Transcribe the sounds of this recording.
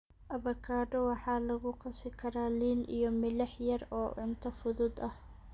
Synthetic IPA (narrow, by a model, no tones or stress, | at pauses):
ʔɐβɐkʰaːɖɔwɑħɑːlɐɣʊqɑsɪkʰɐɾaːliːnijɔmɪlɐħjɐɾɔːʔʊnt̪ʰɐfʊðʊd̪ɐh